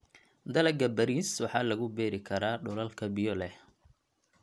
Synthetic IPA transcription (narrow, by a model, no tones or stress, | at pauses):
d̪ɐlɐɡɐbɐɾiːswɑħɑːlɐɣʊbɛːɾɪkʰɐɾaːɖʊlɐlkʰɐbɪjɔlɛh